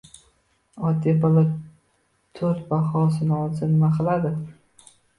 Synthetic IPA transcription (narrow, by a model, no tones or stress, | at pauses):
ɒd̪ibɒla | t̪ʰɵɾt̪̚bahɒsɪnɪɒzɪnmaqɨlad̪ɪ